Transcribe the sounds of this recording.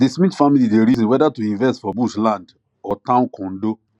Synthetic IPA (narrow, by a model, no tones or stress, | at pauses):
dismĩtfamilideɾizɔ̃nwɛdatuĩɱvɛstfɔbuʃlãnd | ɔtãʊ̃nkʰɔ̃ndo